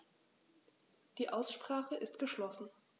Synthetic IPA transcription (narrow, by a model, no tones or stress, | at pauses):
d̥iːʔaʊsʃpʁ̥aːχəʔɪstɡ̥əʃlɔsn̩